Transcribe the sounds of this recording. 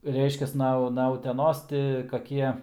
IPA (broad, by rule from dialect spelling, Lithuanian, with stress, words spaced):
ˈrʲɛɪʃʲkʲɛs ˈnɐ nɐ ʊtʲɛˈnoːs ˈtʲɪ kɐˈkʲiɛ